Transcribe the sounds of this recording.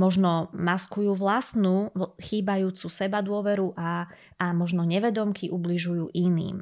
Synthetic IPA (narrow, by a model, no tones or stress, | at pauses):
mɔʒnɔmaskujuːʋlasnuːxiːbajuːt͡susɛbad̪ʊɔʋɛɾuʔaː | mɔʒnɔɲɛʋɛd̪ɔmkiʔubliʒujuːʔinḭːm